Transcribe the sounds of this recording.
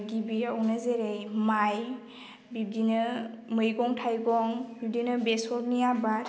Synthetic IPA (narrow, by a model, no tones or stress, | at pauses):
ɡibiɔnazeɾejmaj | bib̚dinɯmɯjɡɔŋtʰajɡɔŋbib̚dinɯbesɔɾnijabat